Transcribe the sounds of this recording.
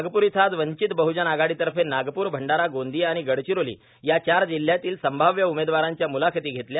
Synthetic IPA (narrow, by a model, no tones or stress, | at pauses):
ɡpuːɾit̪ʰad͡z̪ʋəɲt͡ɕit̪bəɦud͡ʑənaɡaɽit̪əɾfenaɡpuːɾbʱəɳɖaɾaɡond̪ʱiːaɽ̃iɡəɽt͡ɕiɾolḭː | jat͡ɕaɾd͡ʑil̤ːjat̪iːlsəmbʱaʋjəumed̪ʋaɾaɲt͡ɕjamulakʰet̪iːɡʱet̪lja